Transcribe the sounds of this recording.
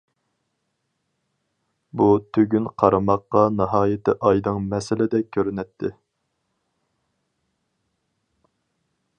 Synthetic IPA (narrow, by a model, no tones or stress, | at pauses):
but̪ʰøɡʲynqʰɑɾɨmɑqːɑnɨɦɑːjɪt̪ʰɪʔɑjd̪ɨŋmɛsɪlɪd̪ɛkʲʰːøɾynɛt̪ʰːɪ